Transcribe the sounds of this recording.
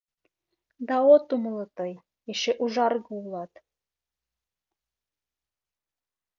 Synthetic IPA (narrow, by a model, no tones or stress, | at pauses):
d̪ɑot̪umlˠɤ̆t̪ɤj | eʃeʔuʒɑrɣɤulˠɑt̪